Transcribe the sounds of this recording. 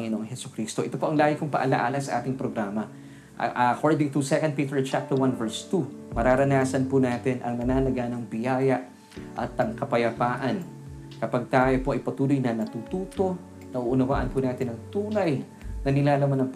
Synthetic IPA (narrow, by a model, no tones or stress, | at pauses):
ŋɪnoŋhɦɛsʊ̥kɾiːst̪oʔɛt̪opo̞ʔɐŋlaːɡɪkʊŋpɐ̰ʔɐla̰ʔaːlɐnsɐʔaːt̪ɪŋpɾoɡɾaːmɐ̰ | ʔɐkʰoɹd̪ɪŋt̪ʊsɛkɐnd̪̚piːt̪ɛɹt͡ʃap̚t̪ɛɹwanvɛɹst̪umɐɾaːɾɐnaːsɐnpʊnaːt̪ɪnʔɐ̰ŋnɐnaːnɐɡaːnɐŋbɪjaːjɐʔ | ʔɐ̰t̪ːɐŋkɐpɐjɐpaːʔɐn | kɐpaɡ̚t̪aːjopoʔɐjpɐt̪uːlojnɐnɐt̪ut̪uːt̪o̞ | nɐʔuʔʊnɐwaːʔɐnpʊnaːt̪ɪnɐŋt̪uːnɐj | nɐnɪlaːlɐmanɐŋp